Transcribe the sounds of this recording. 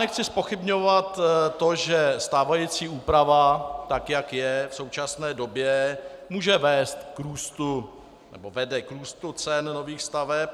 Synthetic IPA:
nɛxt͡sɪspo̞xɪbɲovat̪ːo̞ʒɛst̪aːvajit͡siːuːpɾavat̪akjakjɛfso̞wt͡ʃasnɛːdo̞bjɛmuːʒɛvɛːst̪kɾuːst̪u | nɛ̰bo̞vɛdɛkɾuːst̪ut͡sɛnno̞viːxst̪avɛp̚

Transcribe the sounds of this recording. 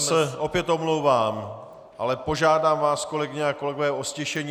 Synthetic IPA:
sɛʔo̞pjɛt̪o̞mlowvaːm | ʔalɛpo̞ʒaːdaːmvaːsko̞lɛɡɪɲɛako̞lɛɡo̞vɛːʔoscɛʃɛɲiː

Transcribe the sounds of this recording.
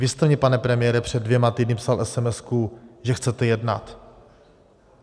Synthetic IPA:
vɪst̪ɛmɲɛpanɛpɾɛmɪjɛɾɛpr̝̥ɛdːvjɛmat̪iːdnɪpsalʔɛsɛmɛskuʒɛxt͡sɛt̪ɛjɛdna̰t̪

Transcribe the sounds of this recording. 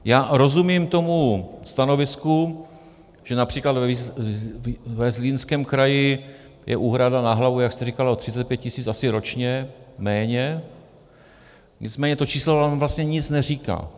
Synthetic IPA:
jaːɾo̞zumimt̪o̞must̪ano̞vɪsku | ʒ̥ɛnapr̥iːklad̪vɛ | vɛzliːnskɛːmkɾajɪ | jʔɛ̰ʔuːɦɾadanaɦlavujakst̪ɛrikalaot̪r̝ɪt͡sɛt̪̚pjɛt̪̚cɪsiːt͡sʔasɪɾo̞t͡ʃɲɛmɛːɲɛ | ɲɪt͡smɛːɲɛt̪o̞t͡ʃiːslovaːmvlast̪ɲɛɲɪt͡snɛr̝iːka̰ː

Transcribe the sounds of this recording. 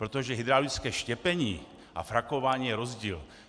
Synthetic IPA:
pɾot̪oʒɛɦid̪ɾalɪt͡skɛːʃcɛpɛɲiː | ʔa̰fɾakovaːɲiːjɛɾozɟiːl

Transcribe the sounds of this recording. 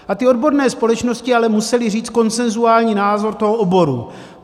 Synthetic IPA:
ʔat̪ɪo̞dbo̞ɾnɛːspo̞lɛt͡ʃno̞scɪalɛmusɛlɪriːt͡st̪ko̞nt͡sɛnzuaːlɲiːnaːzo̞ɾt̪o̞ɦoʔobo̞ɾu

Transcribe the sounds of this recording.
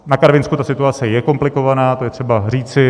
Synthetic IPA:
nakaɾvɪnskut̪asɪt̪uat͡sɛjɛko̞mplɪko̞vanaːt̪o̞jɛt̪r̝̥ɛbariːt͡sɪ

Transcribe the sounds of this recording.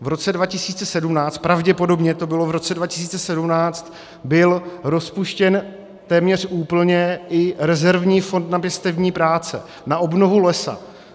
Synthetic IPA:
vɾo̞t͡sɛdvacɪsiːt͡sɛsɛdumnaːt͡st̪̚pɾavɟɛpo̞do̞bɲɛt̪o̞bɪlo̞vɾo̞t͡sɛdvacɪ̥s̬iːt͡sɛsɛdumnaːt͡st̪ | bɪlɾo̞spuʃcɛn | t̪ɛːmɲɛr̝̥ʔuːpl̩ɲɛʔɪɾɛzɛɾvɲiːfo̞nt̪napjɛst̪ɛvɲiːpɾaːt͡sɛ̰ | naʔo̞bno̞vulɛsa̰

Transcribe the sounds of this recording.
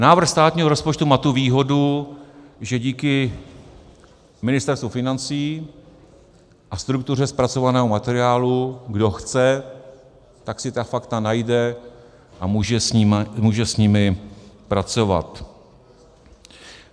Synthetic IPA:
naːvr̩xst̪aːt̪ɲiːɦoɾospot͡ʃt̪umaːt̪uviːɦo̞du | ʒɛɟiːkɪ | mɪnɪst̪ɛɾst̪vufɪnant͡siː | ʔast̪ɾuk̚t̪ur̝ɛspɾat͡so̞vanɛːɦomat̪ɛɾɪaːluɡdo̞xt͡sɛ | t̪aksɪt̪afakt̪anajdɛ | ʔamuːʒɛimmuːʒɛsɲɪmɪpɾat͡so̞va̰t̪

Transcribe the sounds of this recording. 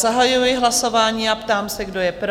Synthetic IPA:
zaɦajujɪɦlaso̞vaːɲiːapt̪aːmsɛɡdo̞jɛpɾ

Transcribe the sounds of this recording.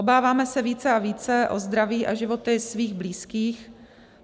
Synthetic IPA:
obaːvaːmɛsɛviːt͡sɛʔaviːt͡sɛʔo̰zd̪ɾaviːʔa̰ʒɪvo̞t̪ɪsviːɣbliːskiːx

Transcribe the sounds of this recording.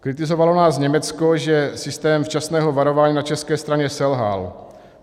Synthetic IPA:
kɾɪt̪ɪzo̞valo̞naːsɲɛmɛt͡skoʒɛsɪst̪ɛːmft͡ʃasnɛːɦo̞vaɾo̞vaːɲiːnat͡ʃɛskɛːst̪ɾaɲɛsɛlɦa̰l

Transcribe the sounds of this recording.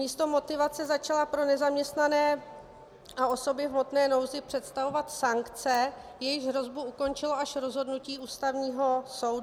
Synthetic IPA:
mɲiːst̪o̞mo̞t̪ɪvat͡sɛzat͡ʃalapɾo̞nɛzamɲɛst̪nanɛː | ʔaʔo̞so̞bɪvmo̞t̪nɛːno̞wzɪpr̝̥ɛt̪st̪avo̞vat̪saŋkt͡sɛ | jɛjɪʒɦɾo̞zbuuko̞nt͡ʃɪlo̞ʔaʃɾo̞zɦo̞dnuciːʔuːst̪avɲiːɦo̞so̞wd

